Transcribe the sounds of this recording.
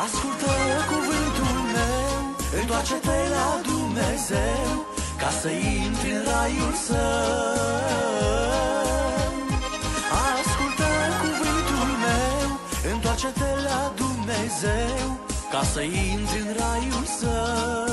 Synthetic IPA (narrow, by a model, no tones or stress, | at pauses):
askult̪əkuvɨnt̪ulmew | ɨnt̪wat͡ʃet̪elad̪umnezew | kasəint̪ɾiɨnɾajulsə | askult̪əkuvɨnt̪ulmew | ɨnt̪wat͡ʃet̪elad̪umnezewkasəint̪ɾɨnɾajulsə